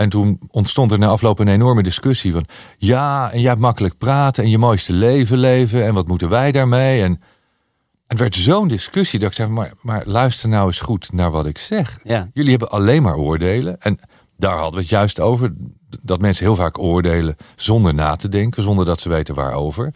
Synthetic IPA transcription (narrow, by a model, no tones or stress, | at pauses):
ɛntunɔntstɔntɛɹnaːɑflowpənejnɔɹmədɪskɵsivɑnjaːɛnjəɦɛp̚tmɑkələk̚praːtəɛnjəmojstəlejvəlejvəɛnʋɑtmutənʋɛjdaːɹmejɛn | ɛəʋɛɹtzowndɪskʏsidɑtɪksɛjvɑnma̰ɹmaːɹlœɥstəɹnɑwɪsχutnaːɹʋɑtɪksɛχjɵliɦɛbəʔɑlejnma̰ːɹʊːɹdejlənɛn | daːɹɦɑdəʋəətjœɥstowvəɹ | dɑtmɛnsəɦɪːlˠvaːkʊːɹdejləzɔndəɹna̰ːtədɛŋkəzɔndəɹdɑtsəʋejtənʋa̰ːɹo̰wvəɹ